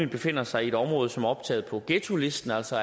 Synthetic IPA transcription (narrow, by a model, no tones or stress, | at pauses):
inb̥e̝fe̝n̰ɐsɑ̈ɪie̝d̥ɒ̽mʁɔ̽ːð̞̩ˠsɒ̽mæɐɒ̽b̥t͡sʰɛ̰ːð̞̩ˠpʰɒ̽ɡ̥et͡sʰo̝le̝sd̥n̩æl̰sɒ̽